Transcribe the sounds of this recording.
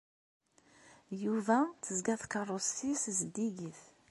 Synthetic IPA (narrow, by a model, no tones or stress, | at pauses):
juvæθəzɡæθkərˤosθiszd̪iɡiθ